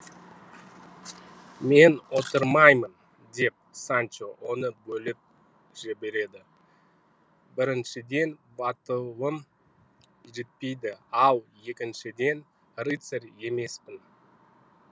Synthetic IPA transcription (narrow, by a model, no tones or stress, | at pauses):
me̞nwo̞t̪əɾmɑjmən | d̪e̞p̚sant͡ʃowo̞nəbɵlɪp̚ | ʒ̥ɪbe̞ɾe̞d̪ɪ | bɪɾɪnʃɪd̪e̞nbɑt̪əlˠəm | ʒet̪̚pe̞jd̪ɪɑlˠje̞kʲɪnʃɪd̪e̞n | rit̪seɾe̞me̞spɪn